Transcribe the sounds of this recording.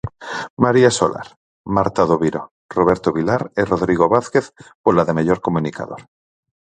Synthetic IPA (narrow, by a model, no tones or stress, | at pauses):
maɾiaso̰lʔa̰ɾ | maɾt̪aðoβiɾo | roβ̞e̞ɾt̪oβilaɾeroðɾiɣoβaθke̞θpolaðemeʎoɾkomunika̰ðoɾ